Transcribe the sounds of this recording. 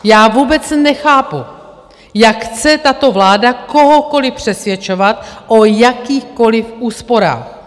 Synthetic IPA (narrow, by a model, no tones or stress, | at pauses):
jaːvuːbɛt͡snɛxaːpu | jakxt͡sɛt̪at̪o̞vlaːdakoɦoko̞lɪpr̥ɛsvjɛt͡ʃovat̪ʔojakiːxko̞lɪfʔuːspo̞ɾa̰ːx